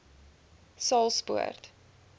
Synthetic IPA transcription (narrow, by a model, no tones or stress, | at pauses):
sɑlˠspṵə̰rt